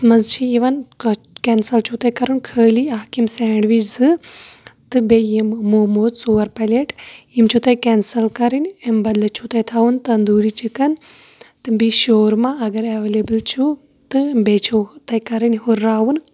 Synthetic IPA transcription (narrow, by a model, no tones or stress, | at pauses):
mɐzt͡ʃʰiiʋɐn | keːnsɐlt͡ʃʰut̪ɐkɐɾɨnkʰəːliaːkimseːɳɖʋizɨ | t̪ɨbejimmoːmoːd̪suːɐɾpɐlʲeʈjimt͡ʃʰut̪ɐjkɛːnsɐlkɐɾinʲembɐd̪lɨt͡ʃʰut̪ɐjt̪ʰaʋunt̪ɐnd̪uːɾit͡ʃʰikɐn | t̪ɨbiʃoːɾmãɐɡɐɾɐʋeːlebɨlt͡ʃʰu | t̪ɨbeːt͡ʃʰot̪ɐkɐɾinʲɦuɾːaːwun